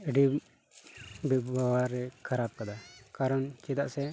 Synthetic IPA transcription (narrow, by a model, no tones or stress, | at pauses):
iɖi | bɛawaɾɛkʰaɾab̚kad̪akaɾɔnkɛd̪aʔsɛ